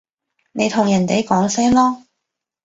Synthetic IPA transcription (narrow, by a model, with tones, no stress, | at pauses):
ne˨˧jt̪ʰʊ˨˩ŋjɐ˨˩nt̪e˨˥jkɔː˨˥ŋsɛː˥mlɔː˥